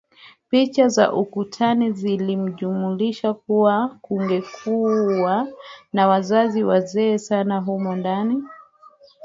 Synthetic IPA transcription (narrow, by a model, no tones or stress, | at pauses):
pit͡ʃaza̰ʔukutʰanizilim̩ʄumuliʃak̚uwakuŋɡɛkʰuwanawazaziwazɛːsanaɦumɔndani